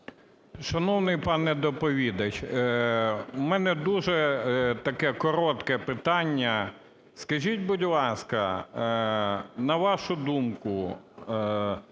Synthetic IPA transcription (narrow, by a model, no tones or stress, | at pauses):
ʃɐnɔwnɪjpɑnɛd̪ɔpɔʋʲid̪ɐt͡ʃʲ | mɛnɛd̪uʒɛt̪ɐkɛkɔɾɔt̪kɛpɪt̪ɑnʲːɐ | skɐʒʲitʲbʊdʲlˠɑskɐ | nɐʋɑʃʊd̪umkʊ